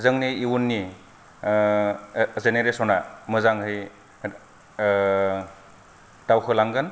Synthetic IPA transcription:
zɯŋniːwunːi | zeneɾesɔnamɯzaŋhɯj | d̥awkʰɯlaŋɡɯn

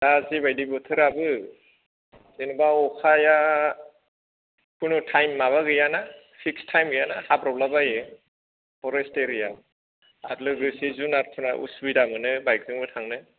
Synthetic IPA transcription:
dazibajdibɔtʰɯɾabɯ | zenubaɔkʰaja | pʰɯnutʰajmːaβaɡɯjana | pʰikstʰajmɡɯjanahabɾɔblabajɯ | pʰɔɾesteɾija | adlɯɡɯsizunaɾtʰɔna̰ʔṵsbidamɯnɯbajk̚zɯŋbɯtʰaŋnɯ

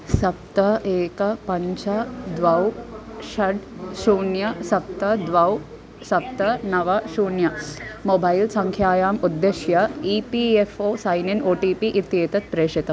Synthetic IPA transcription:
sɐp̚t̪ɐeːkɐpɐɲt͡ʃɐd̪ʋɐwʃɐɖʃuːnjɐsɐp̚t̪ɐd̪ʋɐw | sɐp̚t̪ɐnɐʋɐʃuːɳjɐmobʱɐjlsɐŋkʰjaːjaːmud̪ːeʃjɐiːpiefoːsɐjninoːʈiːpiʔit̪jeːt̪ɐt̪̚pɾeːʂit̪ɐm

